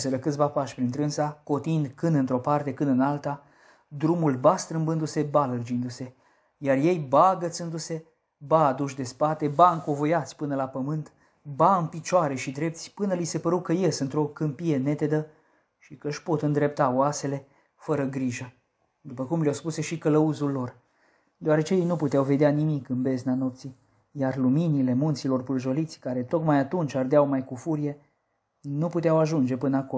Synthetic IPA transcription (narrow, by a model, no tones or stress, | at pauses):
seɾəkɨt̪sʲvapaʃpɾint̪ɾɨnsako̞t̪ind̪kɨnd̪ɨnt̪ɾo̞part̪e̞kɨnɨnalt̪a | d̪ɾumulbast̪ɾɨmbɨnd̪use̞balərd͡ʒind̪use̞ | jarje̞jbaɡət̪sɨnd̪use̞ | baːd̪uʃ̬d̪e̞spat̪e̞baɨŋko̞vojat̪sʲpɨnəlapəmɨnt̪ | baɨnpit͡ʃoaɾe̞ʃid̪ɾe̞pt̪sʲpɨnəlise̞pəɾukəjesɨnt̪ɾo̞kɨmpije̞ne̞t̪e̞d̪ə | ʃikəʃpo̞t̪ɨnd̪ɾe̞p̚t̪aoase̞le̞ | fəɾəɡɾiʒə | d̪upəkumljawspuse̞ʃikələuzulːo̞r | d̪eoaɾe̞t͡ʃejejnuput̪eawve̞d̪eanimikɨnbe̞znano̞p̚t̪si | jarluminile̞munt̪silo̞rpɾʒo̞lit̪sʲkaɾe̞t̪o̞kmajat̪unt͡ʃard̪eawmajkufuɾije̞ | nuput̪eawaʒund͡ʒe̞pɨnəako